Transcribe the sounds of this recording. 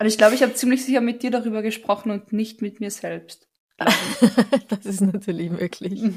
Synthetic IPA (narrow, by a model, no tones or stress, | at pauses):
azɪçɡ̥laʊbəɪçhaːbət͡siːmlɪçz̥ɪçɐmɪt̚d̥iːɐɾaʁyːbɐɡəʃpʁ̥ɔχn̩ʊntnɪçtmɪtmiːɐz̥ɛlpst | l | d̥asɪstnatʰyːɐlɪçmøːkʰlɪç